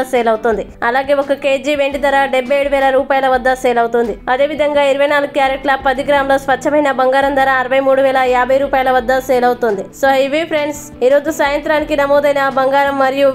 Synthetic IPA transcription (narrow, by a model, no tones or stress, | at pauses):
sɛːlɐwt̪und̪iɐlaːɡe̞ːɔkɐke̞ːd͡ʒiʋe̞ɳʈid̪ɐɾaːɖebːɐjeɽuʋɛːlɐɾuːpaːjɐlɐʋɐd̪ːɐsɛːlɐwut̪und̪iɐd̪e̞ːʋid̪ʱɐŋɡaːiɾuʋɐjnaːluɡukjaːɾeʈʈlaːpːɐd̪iɡɾaːmloːspɐɐmɐjnɐbɐŋɡaːɾɐnd̪ɐːɾaːɐɾɐʋɐjmuːɽuʋɛːɭɐjaːbʱɐjɾuːpaːjɐlɐʋɐd̪ːɐsɛːlɐwut̪und̪isoːiʋipʰɾeɳɖs | iːɾo̞ːd͡ʒusaːjɐnt̪ɾaːnikinɐmoːd̪ɐjnɐbɐŋɡaːɾɐmːɐɾiju